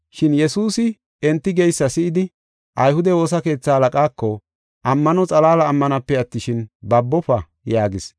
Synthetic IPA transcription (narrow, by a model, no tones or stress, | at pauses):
ʃɪnjɛsuːsɪ | ɛnt̪ːɪɡɛjsːɐsɪʔɪd̪ɪ | ʔɐjhʊd̪ɛwo̞ːs̬ɐke̞ːt͡sːahɐlɐkʼaːkːɔ | ʔɐmːɐnɔt͡sʼɐlaːlɐːmːɐnɐpːɛɐt̪ːɪʃɪnbɐbːɔpɐ | jaːɡɪs